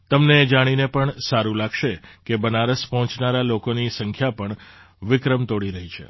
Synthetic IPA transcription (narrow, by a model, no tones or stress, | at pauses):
t̪əmned͡ʒaɽ̃inepəɳsaɾũlaɡʃekebənaɾəspɔɦɔ̃t͡ʃnaɾalokonisəŋkʰjapəɳ | ʋɪkɾəmt̪oɽiɾəɦit͡ʃʰḛ